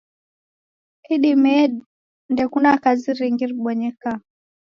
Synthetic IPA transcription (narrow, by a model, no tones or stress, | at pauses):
kiɗimɛɗ | ndɛkunakaziɾiŋɡiɾɓɔɲɛka